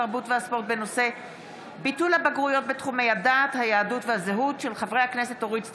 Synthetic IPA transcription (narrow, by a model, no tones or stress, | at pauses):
aʁbutveaspo̞ʁt̚be̞no̞se̞ | bitulhabaɡʁujo̞t̚betχume̞jadaːthajaːdutvehazeɦutʃe̞lχavʁejakne̞se̞toʁit͡s